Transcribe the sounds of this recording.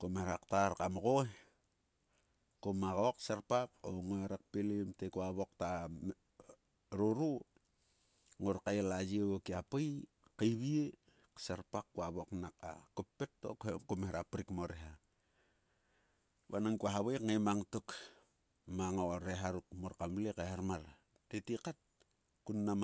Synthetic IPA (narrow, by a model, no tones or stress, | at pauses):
komeɾaktaɾkamoɡo | komaɣoksaɾpako̰ŋoeɾak̚pilimtekuaβok̚ta | ɾuɾu | ŋoɾkajelad͡ʒiewokiapaj | kajβie | ksaɾpakːuaβoknak̚a̰kupːetːo̰khekumehɾapɾikmoɾeɦa | βa̰naŋkuaɦaβajkŋemaŋtuk | maŋoɾeɦaɾuk̚moɾkamlekehaɾmaɾ | tetikat̚ | kunːam